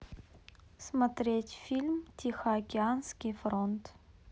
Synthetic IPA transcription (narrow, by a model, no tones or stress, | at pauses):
smɐt̪ɾʲetʲfʲilʲmtʲʰixəɐkʲɪanskʲɪjfɾont̪